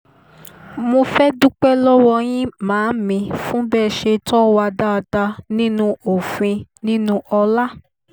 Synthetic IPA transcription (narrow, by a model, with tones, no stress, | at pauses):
mo˧fɛ˦du˦k͡pɛ˦lɔ˦wɔ˧j̃ĩ˦mãː˨˦mĩ˧fũ˦bɛ˦˨ʃe˧tɔ˦wa˧da˦˧da˧nĩ˦nũ˦o˨fĩ˧nĩ˦nũ˦ɔ˧la˦